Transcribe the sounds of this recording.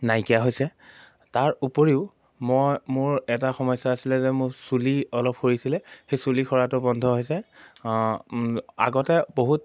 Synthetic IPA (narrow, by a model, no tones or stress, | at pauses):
najkijaɦojsɛ | taɹupoɹiʊ | mɔjmʊɹɛtaxɔmɔjsaasilɛzɛmʊɹsuliɔlɔp̚xoɹisilɛxejsulikʰɔɹatʊbɔndʱɔɦojsɛ | a̰ɡɔtɛboɦut̚